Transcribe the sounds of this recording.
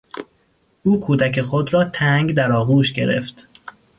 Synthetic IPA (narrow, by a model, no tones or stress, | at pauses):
ʔuːkʰuːd̪æcʰe̞xod̪ɾɒːt̪ʰæŋɡd̪æɾɒːɣuːʃɟe̞̰ɾḛft̪